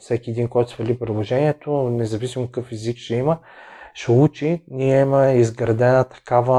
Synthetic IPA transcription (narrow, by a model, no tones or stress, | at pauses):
fsɛkʲiɛd̪iŋkɔjt̪ʊsvɐlʲipɾid̪lˠoʒɛnʲiɛt̪onɛzɐvisimokɐkɤfɛzikʃɛimə | ʃɛut͡ʃinʲiɛiməizɡɾɐd̪ɛnət̪ɐ̥kavə